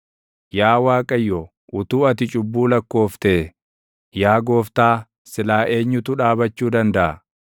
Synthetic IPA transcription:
jaːwaːkʼɐjːɔ | ʔʊt̪uːɐt̪ɪt͡ʃʼʊbːuːlɐkːo̞ːft̪ɛ | jaːɡo̞ːft̪aː | sɪlaːʔe̞ːɲːʊt̪ʊᶑaːbɐt͡ʃːuːd̪ɐnd̪ɐʔɐ

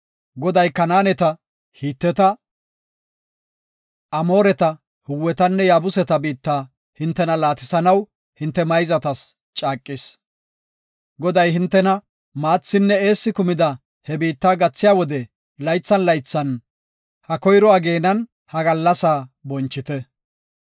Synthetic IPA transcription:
ɡɔd̪ɐjkɐnaːnɛt̪ɐ | hiːt̪ːɛt̪ɐ | ʔɐmo̞ːɾɛt̪ɐ | hʊwːɛt̪ɐnːɛjaːbʊsɛt̪ɐbiːt̪ːaː | hɪnt̪ːɛnɐlaːt̪ɪsɐnɐw | hɪnt̪ːɛmɐjzɐt̪ɐs | t͡ʃʼaːkʼːɪs | ɡɔd̪ɐjɦɪnt̪ːɛnɐ | maːt͡sːɪnːɛe̞ːsːɪkʊmɪd̪ɐ | hɛbiːt̪ːaːɡɐt͡sːɪjaːwɔd̪ɛ | lɐjt͡sːɐnlɐjt͡sːɐn | hɐkɔjɾɔaːɡe̞ːnɐn | hɐɡɐlːɐsaːbɔnt͡ʃːɪt̪ɛ

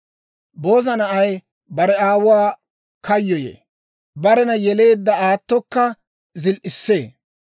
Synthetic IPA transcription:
bo̞ːzɐnɐʔɐj | bɐɾɛaːwʊwaː | kʰɐjːɔjḛː | bɐɾɛnɐjɛle̞ːd̪ːɐaːt̪ːɔkːɐ | zɪlʔɪsːeː

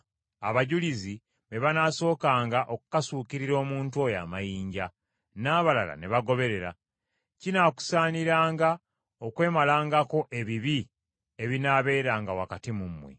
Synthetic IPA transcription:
aβaɟulizi | βeβanaso̞ːkaːŋɡaʔokukasuːkiɾiɾo̞ːmuːntuo̞ja̰ːmajiːɲɟa | naːβalala̰ne̞βaɡo̞βe̞ɾe̞ɾa | cinaːku̥saːniɾaːŋɡa | okwe̞ːmalaːŋɡako̞ʔe̞βiβi | eβinaːβe̞ːɾaːŋɡawakatimumwḛ

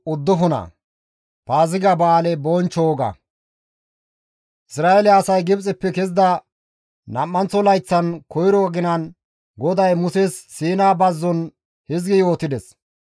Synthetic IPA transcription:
ʊd̪ːɔɦɔnɐ̰ | paːzɪɡɐbaːlɛbɔnt͡ʃːoːɡɐ̰ | ʔɪsɾaːɛlɛɐsɐjɡɪbt͡sʼɪpːɛkɛzd̪ɐ | nɐmːɐnt͡sːɔlɐjt͡sːɐnkɔjɾɔɡɪnɐn | ɡɔd̪ɐjmʊsesːiːnaːbɐzːɔn | hɪzɡɪjo̞ːt̪ɪd̪ɛs

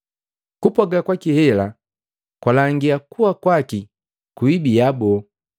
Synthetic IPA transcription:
kupɔɡakwakihɛla | kwalaŋɡiakuakwaki | kuibijabɔ

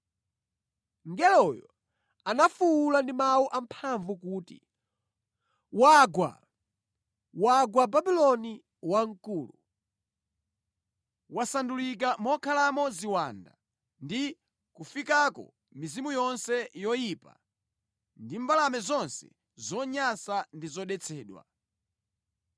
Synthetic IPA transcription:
ŋɡɛlɔjɔ̰ | anafuwːlandimawuʔam̩pʰaɱvukuːtḭ | waɡwa̰ | waɡwababilɔni | waŋkuːlu | wasandulik̬amɔkʰalamɔziwanda̰ | ndi | kufikakɔ̰ | mizimujɔnsɛjɔjiːpa̰ | ndimbalamɛzɔnsɛ̰ | zɔɲasandizɔɗɛt͡sʰɛːɗwa̰

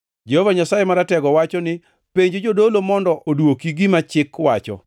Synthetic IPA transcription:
d͡ʒɛhovaɲasajemaɾatɛɡɔwat͡ʃɔnɪ | peɲd͡ʒod͡ʒodolomɔndɔʔodwokiɡimat͡ʃɪkwat͡ʃɔ̰

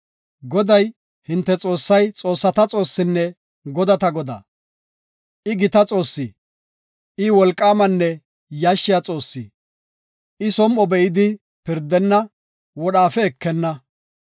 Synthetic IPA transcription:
ɡɔd̪ɐj | hɪnt̪ːɛt͡sʼo̞ːsːɐjt͡sʼo̞ːsːɐt̪ɐt͡sʼo̞ːsːɪnːɛ | ɡɔd̪ɐt̪ɐɡɔd̪ɐ̰ | ʔɪɡɪt̪ɐt͡sʼo̞ːsːɪ | ʔɪwɔlkʼːaːmɐnːɛ | jaʃːɪjat͡sʼo̞ːsːi | ɪsɔmʔɔbɛʔɪd̪ɪ | pɪɾd̪ɛnːɐ | wɔɗaːfɛɛkːɛnːɐ

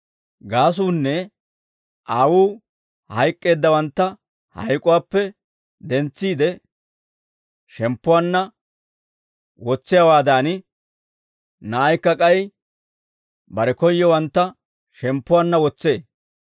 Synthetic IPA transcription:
ɡaːs̬uːnːɛ | ʔaːwuː | hɐjkʼːe̞ːd̪ːɐwɐnt̪ːɐ | hɐ̰jkʼʊwaːpːɛ | d̪ɛnt͡sːiːd̪ɛ | ʃɛmpːʊwaːnːɐ | wɔt͡sːɪjawaːd̪aːnɪ | nɐːjkːɐkʼɐj | bɐɾɛkɔjːɔwɐnt̪ːɐ | ʃɛmpːʊwaːnːɐwɔt͡sːe̞ː

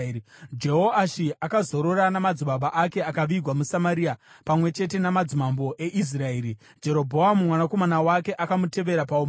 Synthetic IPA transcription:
d͡ʒe̞ɦoaʃiʔakazo̞ɾo̞ɾanamad͡ziɓaɓaʔake̞akaʋiɡʱwamusamaɾiapamwe̞t͡ʃe̞t̬e̞namad͡zimambo̞ʔe̞ʔis̬rae̞ːɾi | d͡ʒe̞ɾo̞bʱo̞amumwanako̞manawake̞ʔakamute̞ʋe̞ɾapaom

